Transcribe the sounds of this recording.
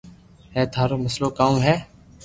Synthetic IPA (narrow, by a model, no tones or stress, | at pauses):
ɦɛːt̪ʰaːɾoːməsloːkaːũːɦɛː